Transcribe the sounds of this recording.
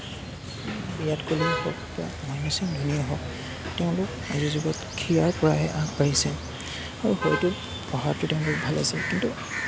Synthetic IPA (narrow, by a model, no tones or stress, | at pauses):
bijatkolixɔkba̰mamisiŋdʱunijɔɦɔk | tɛʊ̃lʊk | a̰zizibɔtkʰijaɹpɔɹaɦɛʔakpaɹisɛ | aɹuxɔjtʊ | pɔɦattːʊtɛʊ̃lʊk̚bʱalasɛkintu